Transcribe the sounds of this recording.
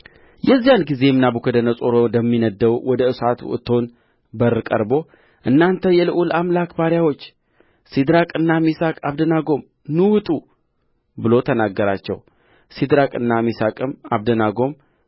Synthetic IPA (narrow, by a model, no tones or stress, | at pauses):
jɛzːijanɡize̞mnabukʰəd̪ənəsʼoɾod̪əmːinəd̪ːəwwɔd̪əɨsat̪ʰuɨ̰t̪ʰo̞n | bərːɨkʼə̰ɾbo̞ | ʔɨnːant̪ʰəjɛlɨʔulamlakbaɾjawo̞t͡ʃː | sid̪ɾakʼɨnːamisakʼaβd̪ənaɡo̞m | nɨwt̪ʼu | bɨlo̞t̪ʰənaɡːəɾat͡ʃːɛ̰w | sid̪ɾakʼɨnːamisakʼɨma̰βd̪ənaɡo̞m